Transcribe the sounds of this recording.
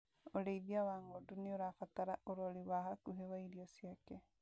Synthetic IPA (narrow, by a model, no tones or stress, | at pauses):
oɾeiðiawaŋɡodunioɾafataɾaʔoɾoliwahakuɦewaiɾiosjakɛ